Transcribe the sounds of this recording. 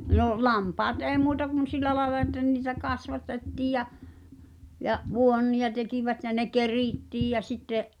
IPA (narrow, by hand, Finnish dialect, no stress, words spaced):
noˑʔ lɑmpɑːt ʔeːĭ muːtɑ kun silˑæ lɑˑelɑ etːæ niːtæ kɑsʋɑtetːiːj jæ jɑʔ ʋuonːij̆ɑ tekiʋæt jæ ne keriˑtːiːj jæ sitːeʔ